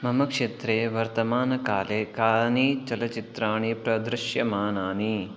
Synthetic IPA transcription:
mɐmɐkʂeːt̪ɾeːʋɐɾt̪ɐmaːnɐkaːleːkaːnit͡ʃɐlɐt͡ʃit̪ɾaːɳipɾɐd̪ɾɪʃjɐmaːnaːni

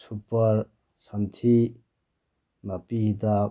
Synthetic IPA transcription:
supʌɾ | sɐnt̪ʰi | nɐpiit̪a

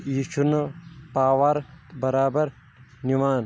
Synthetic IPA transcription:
iːʃunɐpaːʋɐɾbɐɾaːbɐɾ | niʋaːn

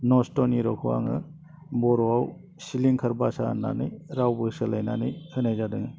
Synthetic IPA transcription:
nɔstɔniɾɔkʰuwa̰ŋɯ̰ | bɔɾɔaw | siliŋkʰɐɾbasa̰nːa̰nɯjɾawbɯsɯlajnanɯjɯnajzadɯŋɯ

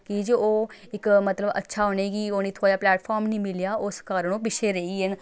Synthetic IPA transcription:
kid͡ʒoːɪkmət̪ləbə̰tːʃʰaːɦoːñeːɡiːoːniːt̪ʰoːaːplɛːʈpʰaːɾmnĩːmɪljaːʔʊskaːɾəɳoːpɪʃʰeːɾəiːɛn

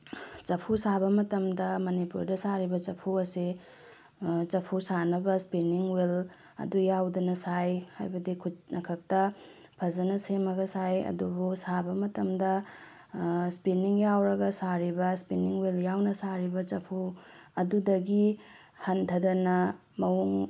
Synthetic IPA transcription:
t͡ʃɐpʰusabɐmɐtɐmdɐmɐnipṵɾdɐsaɾibɐt͡ʃɐpʰuɐsi | t͡ʃɐpʰusanɐbɐspiniŋwel | ɐ̰dujawdɐnɐsajha̰jbɐdikʰut̚nɐkʰɐk̚tɐ | pʰɐzɐnɐsemɐɡɐsajɐ̰dubusabɐmɐtɐmdɐ | spiniŋjawɾɐɡɐsaɾibɐspiniŋweljawnɐsaɾibɐt͡ʃɐpʰu | ɐdudɐɡi | hɐntʰɐdɐnɐ | mɐuŋ

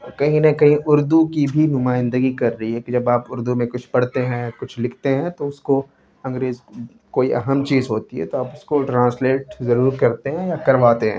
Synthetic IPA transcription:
kɐɦĩnɐkɐɦĩʔʊɾd̪ukibʱinʊmaːɪ̃nd̪əɡikɐɾːɐɦiɦɛkid͡ʒɐbaːpʊɾd̪umẽkʊt͡ʃʰpɐɽ̤t̪eɦɛ̃kʊt͡ʃʰlɪkʰt̪eɦɛ̃t̪oʊsko | ɐ̃ŋɡɾeːz | koːiʔɐ̰ɦəmt͡ʃiːzɦoːt̪iɦɛ̰t̪oaːpʊskoʈɾãːnsleːʈzɐɾuːɾkɐɾt̪eɦɛ̃jakɐɾʋaːt̪eɦɛ̰̃ː

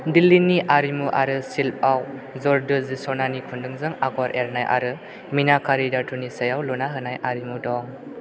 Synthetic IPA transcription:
dilinːiʔaɾimuʔa̰ɾɯsilp̚awzɔɾdɯzisɔnanikʰundɯŋzɯŋaɡɔwaɾʔeɾnajʔa̰ɾɯ | minakʰaɾidatʰunisajawlunaɦɯnajʔaɾimudɔŋ

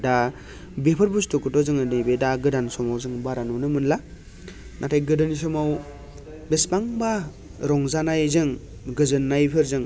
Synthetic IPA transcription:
da | bepʰɯɾbustukɯtɔzɯŋɯnɯjbedaɡɯdansɔmawzɯŋbaɾanunɯmɯnla | nʔatʰajɡɯdɯnis̬ɔmaw | bespaŋba | ɾɔŋzanajzɯŋ | ɡɯzɯnːajpʰɯɾzɯŋ

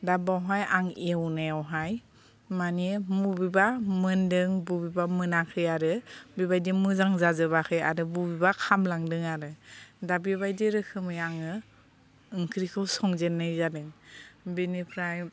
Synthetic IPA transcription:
dabawɦajaŋewnajawɦaj | manimubibamɯndɯŋbubibamɯnakʰɯjaɾɯbibajdimɯzaŋzazɯβakʰɯja̰ɾɯbubibakʰamlaŋdɯŋaɾɯdabibajdiɾɯkʰɯmɯjaŋɯː | ŋkʰɾikʰɯwsɔŋzenːɯjzadɯŋbinipʰɾaj

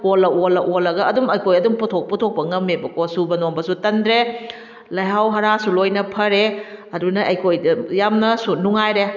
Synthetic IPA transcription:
kolɐʔolɐʔolɐɡɐɐdumɐjkʰojɐdumputʰok̚putʰok̚pɐŋɐmebɐkosubɐnombɐsutɐndɾe | lɐjɦawɦɐɾasulojnɐpʰɐɾeɐdunɐʔɐjkʰojdɐjamnɐsunuŋajɾe

